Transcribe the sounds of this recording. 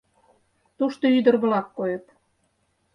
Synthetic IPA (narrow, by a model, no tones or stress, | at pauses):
t̪uʃt̪oyd̪ə̆rβə̆lɑkːojə̆t̪